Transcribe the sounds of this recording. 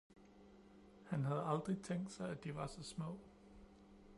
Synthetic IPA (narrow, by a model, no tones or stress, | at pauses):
hænɦæð̞̩ˠɑ̈ld̥ʁit͡sʰeŋ̰ɡd̥sɑ̈ɪæd̥iʋɑ̈sɒ̽smɔ̰̽ː